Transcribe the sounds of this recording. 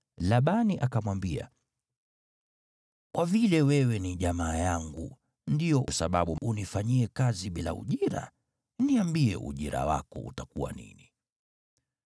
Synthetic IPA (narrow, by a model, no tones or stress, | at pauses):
laɓaniʔakamwambia̰ | kwavilɛwɛwɛniʄamaːjaŋɡṵ | ndijɔʔsaɓaɓuʔunifaɲiɛkaziɓila̰ṵʄiɾa̰ | niambiɛ̰ʔṵʄiɾa̰wa̰kɔṵtakuwa̰nḭni